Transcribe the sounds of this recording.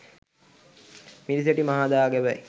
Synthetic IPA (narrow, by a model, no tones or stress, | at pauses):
miɾis̬eʈimaɦaːd̪aːɡeʋæj